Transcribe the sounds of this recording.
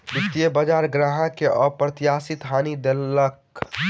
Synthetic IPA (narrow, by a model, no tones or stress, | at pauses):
bɪkt̪iəbad͡ʒaːɾɡɾaːɦãkeəpɾət̪jaːsit̪ɦaːnid̪elək